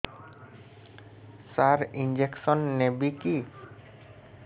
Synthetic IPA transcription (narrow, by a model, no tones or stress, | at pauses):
saɾind͡ʑeksonːebiki